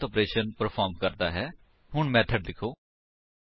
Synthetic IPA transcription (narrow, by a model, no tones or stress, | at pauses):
t̪ɔːpɾeːʃənpəɾpʰaːɾmkəɾd̪aːɦɛː | ɦʊɳmɛːʈʰəʈ̚lɪkʰoː